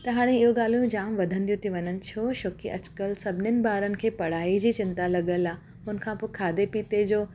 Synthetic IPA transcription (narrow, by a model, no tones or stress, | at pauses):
t̪ɐɦaːɽ̃eɪɦoɡaːl̤ujũd͡ʑaːmʋɐd̪ʱə̃nd̪ijũt̪ʰiʋɐɲənɪ̆t͡ɕʰoːʃoːkʰḭʔɐ̰d͡ʑkəlsɐbʱɪnənɪ̆baːɾənɪ̆kʰeːpɐɽ̤aːid͡ʑiːt͡ɕɪ̃nt̪alɐɠəlaː | ɦʊnə̆kʰãːpoːkʰaːd̪epiːt̪ed͡ʑoː